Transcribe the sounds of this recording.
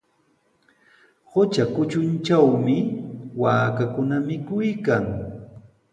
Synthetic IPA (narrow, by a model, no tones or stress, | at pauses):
hot͡ʃakʊt͡ʃʊnt͡ʃawmɪwaːkakʊnamɪkʊjkaŋ